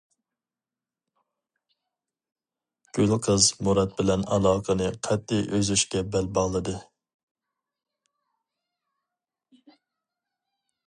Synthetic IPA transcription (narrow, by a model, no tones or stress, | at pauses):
ɡ̥ʲølqʰəzmuɾɑt̪̚bɪlɛnɑlˠɑːqʰənɨqʰɛt̪ʰːɪjʔøzyʃkʲɛbɛlbɑʁlˠɨd̪ɨ